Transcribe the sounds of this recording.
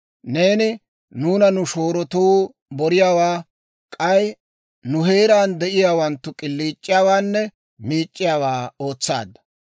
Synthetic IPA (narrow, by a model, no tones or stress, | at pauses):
ne̞ːnɪ | nuːnɐnʊʃo̞ːɾɔt̪uː | bɔɾɪjaːwaː | kʼɐj | nʊɦe̞ːɾaːnd̪ɛʔɪjaːwɐnt̪ːʊkʼɪlːiːt͡ʃʼːɪjaːwaːnːɛ | miːt͡ʃʼːɪjaːwaːo̞ːt͡sːa̰ːd̪ɐ